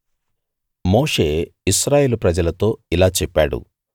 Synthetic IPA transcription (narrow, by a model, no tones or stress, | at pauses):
mo̞ːʂeːiʃɾaːje̞ːlupɾɐd͡ʒɐlɐt̪o̞ːilaːt͡ʃɛpːaːɽṵ